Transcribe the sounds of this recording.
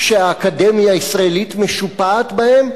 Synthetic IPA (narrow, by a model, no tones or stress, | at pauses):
ʃeaːkad̪emjaisʁaelit̪me̞ʃupaːt̪bahe̞m